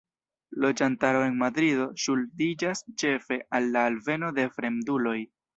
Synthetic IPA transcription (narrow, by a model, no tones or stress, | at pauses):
lo̞d͡ʒantaɾo̞e̞nmadɾido̞ʃuldid͡ʒast͡ʃe̞fe̞ʔalːaːlve̞no̞de̞fɾe̞mdulo̞j